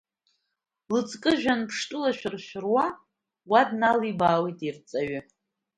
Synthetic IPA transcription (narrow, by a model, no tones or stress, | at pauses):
lɨt͡sʼkʼɨʒᶣanpʰʂtʼɨlaʃᶣɪrʃᶣɪrwa | wadnalibaːwijtʼirt͡sʼaɥɪ